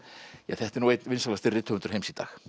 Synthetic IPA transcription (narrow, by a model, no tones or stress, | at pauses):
jaθɛht̪ɛɾnuwejt̪nvɪnsalast̪ɪrɪt̪ʰʏɣvnʏ̥ɾhejmsit̪a̰ːx